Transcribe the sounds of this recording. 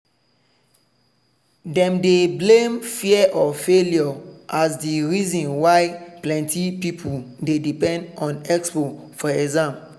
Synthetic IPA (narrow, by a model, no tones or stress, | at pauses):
dɛ̃mdeblẽmfiɛʔɔfeljɔʔasdiɹizɔ̃nwaɪplɛ̃ntʰipipʰudedipɛ̃ndɔ̃nɛkspo | fɔɛzãm